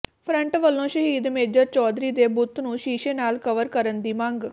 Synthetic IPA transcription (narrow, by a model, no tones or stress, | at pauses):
pʰɾə̃ɳʈʋəlːõːʃəɦiːd̪meːd͡ʒəɾt͡ʃɔːd̪ɾiːd̪eːbʊt̪ʰnũːʃiːʃẽːnaːlkəʋəɾkəɾənd̪iːmə̃ŋɡ